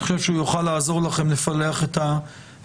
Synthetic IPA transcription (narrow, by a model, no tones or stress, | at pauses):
iχo̥ʃevʃujuχalaːzo̞ʁlaχe̞mlefaleaχet̪a